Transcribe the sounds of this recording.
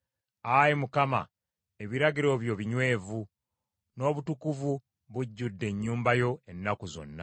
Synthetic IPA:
ajimukama̰ | e̞βiɾaɡiɾo̞βjo̞βiɲwe̞ːvu | no̞ːβutukuvu | βuɟːudːe̞ɲːuːmbajo̞e̞nːakuzo̞̰nːa

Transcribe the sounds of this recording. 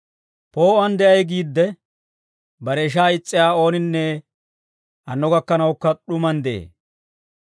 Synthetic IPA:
po̞ːɐnd̪ɛʔɐjɡiːd̪ːɛ | bɐɾɛɪʃ̬aːɪt͡sʼːɪjaːo̞ːnɪnːɛ | ʔɐnːɔɡɐkːɐnɐwʊkːɐɗʊmɐnd̪ḛː

